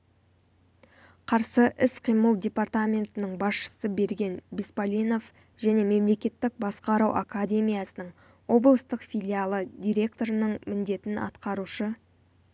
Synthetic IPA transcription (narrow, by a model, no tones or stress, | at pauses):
qʰɑɾsəʔɪsqʰijməlˠdʲe̞part̪amʲe̞nt̪ɪnəɴbɑsʃə̥səbe̞ɾɡʲe̞nbʲispalʲino̞f | ʒ̥æne̞me̞mle̞kʲe̞t̪ːɪk̚bɑsqɑɾɑwʔakadʲe̞mʲijasənəɴ | wo̞blˠəst̪əqfʲijlʲialˠəd̪ʲiɾʲe̞kt̪o̞ɾənəɴmɪnd̪e̞t̪ɪnɑ̰t̪qɑɾuʃə